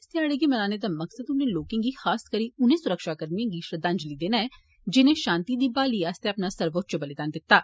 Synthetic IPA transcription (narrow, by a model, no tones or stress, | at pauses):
ɪst̪ɪaːɽeɡiːmənaːneːd̪aːməksəd̪ʊnẽːloːkẽŋɡiːxaːskəɾiːʊnẽːsʊɾəkʃaːkəɾniãːɡiːʃɾəd̪ãɲd͡ʒliːd̪eːnaːɛː | d͡ʒɪnẽːʃãːnt̪iːd̪iːbaːliːaːst̪eɐpnaːsəɾʋot̪̚t͡ʃəbəleːd̪aːnd̪ɪt̪ːaː